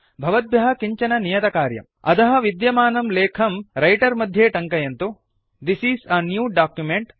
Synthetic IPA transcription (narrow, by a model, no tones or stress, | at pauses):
bʱɐʋɐd̪̚bjɐɦɐkiɲt͡ʃɐnɐnijɐt̪ɐkaːɾjɐ̰m | ɐ̰t̪ɐɦɐ̆ʋid̪jɐmaːnɐmleːkʰɐmɾɐjʈɐɾmɐd̪ʱjeːʈɐŋkɐjɐnt̪u | d̪isisɐnjuːɖaːkjumeɳʈ